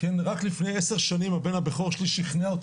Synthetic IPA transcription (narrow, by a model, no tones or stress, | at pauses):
kenʁaklifnejese̞ʁʃanimhabenhabeχoʁʃliʃiχneao